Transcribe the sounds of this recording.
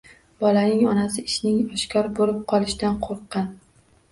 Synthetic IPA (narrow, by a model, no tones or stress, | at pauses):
b̥ɒlanɪŋɒnasɪɪʃnɪŋɒʃkʰʲɒɾbolɪp̚qʰɒlˠɪʃd̪anqʰoɾqːɑn